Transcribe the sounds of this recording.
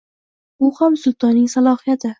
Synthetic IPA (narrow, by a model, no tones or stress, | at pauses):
ʊhamsʊlˠt̪ʰɒnɪŋsalˠɒhɪjat̪ʰɪ